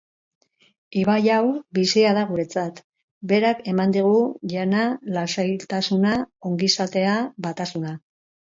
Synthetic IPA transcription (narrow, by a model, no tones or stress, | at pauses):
iβajawbisiað̞aɣ̞uɾe̞t͡sat̪ | be̞ɾake̞mand̪iɣ̞uʎanalasajlt̪asunao̞ŋɡisat̪e̞abat̪asuna